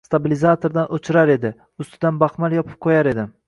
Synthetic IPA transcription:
st̪abilizat̪ʰoɾd̪anʔot͡ʃʰɪɾaɾe̞d̪ɪ | ʊst̪ʰɪd̪anbaχmalˠjɒpʰɪ̥p̚qʰojaɾe̞d̪ɪ

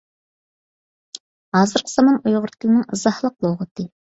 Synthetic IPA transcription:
hɑːzɨɾqʰə̥z̥ɑmɑnujʁʊɾt̪̚kʲilnɨŋɨzɑhlˠəq̚lˠoʁət̪ʰɨ

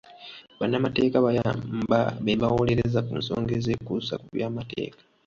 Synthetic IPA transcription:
βanːamate̞ːkaβajambaβeβawo̞le̞ɾezakuːnso̰ːŋɡe̞zekusa̰kuβjaːmate̞̰ːkḁ

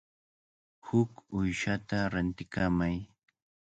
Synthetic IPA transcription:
hʊkʊjʃat̪aɾant̪ɪkamaj

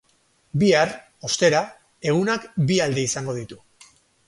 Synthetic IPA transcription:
biar | o̞st̪e̞ɾa | e̞ɣ̞unakbiald̪e̞isaŋɡo̞ð̞it̪u

